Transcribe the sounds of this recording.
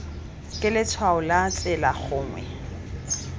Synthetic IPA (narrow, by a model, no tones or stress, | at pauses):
kʼɪlɪt͡sʰwaʊlat͡sʼɛlaχʊːŋwɛ̰